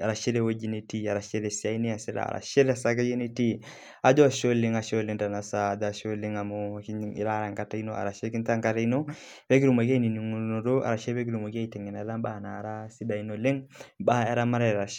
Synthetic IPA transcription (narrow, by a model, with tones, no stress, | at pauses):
a˨ɾa˨ʃe˦ɾe˦wo˦d͡ʒi˦ne˨ti˦a˨ɾa˨ʃe˦ɾe˨si˨a˦i˦ni˦a˨si˦ɾa̰˨ɾa̰˨ʃe˦ɾa˨sa˦ka˦je˦ne˦ti˦ | a˨d͡ʒɔ˦˨ʃo˦lɪ˦ŋa˨ʃo˦le˦ŋda˨na˨sa˨dʃo˦le˦ŋa˨mo˦ki˦ḭ˦ɾa˦ɾa˨ŋka˦ta˦i˦no˦a̰˨ɾa˨ʃe˦ki˦nta˦ŋka˦ta˦i˦no˦ | be˦ki˦ɾu˨ma˨ki˦a˦i˦ni˨ni˨ŋu˨no˨ɾo˦a̰˨ɾa˨ʃe˦ɾbe˦k̬i˦ɾu˨mo˨ki˦a˦i˨tɛ˨ŋɛ˨na˨˦la˦mba˦˨na˨ɾa˦si˦da˨i˦no˨le˦ŋba˦ɛ˦ɾa˦ma˦ɾɛ˦a˨ʃ